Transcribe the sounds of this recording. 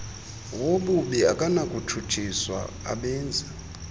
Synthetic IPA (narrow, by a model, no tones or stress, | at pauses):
woɓuɓɛakʼanakʼutʰutʰiswa̰ | a̰ɓɛːnd͡zʱa